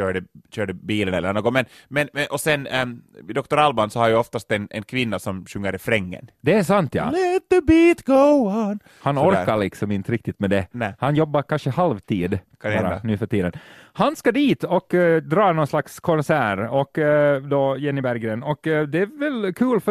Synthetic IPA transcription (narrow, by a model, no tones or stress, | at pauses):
øːɖəɕøːɖəbiːlənɛlːənoːɡɔŋmɛn | mɛnmɛʔɔsɛnd̪ɔk̚t̪ɔɾalbansɔhaɾjʉɔft̪ast̪ɛnɛnkʰʋɪnːasɔmɕɵŋːəɾɪfɾɛŋːə̰nd̪ɛːʂant̪jɑ̰lɛt̪̚ðəbiːt̪ɡ̥on | hanɔɾkːaɭɪksɔmɪnt̪əɾɪkt̪ɪt̪mɛd̪ɛnɛhanjɔbːakʰanʂəhalvt̪ʰiːd̪ | ɑːɾanʉːfœʈiːd̪ənhanskɑd̪iːt̪ɔkd̪ɾɑːnoːnslakskʰɔnsæːɾɔkːd̪ɔjɛnːɪbæɾɡɾeːnɔkːd̪ɛævɛlkʰʉːlf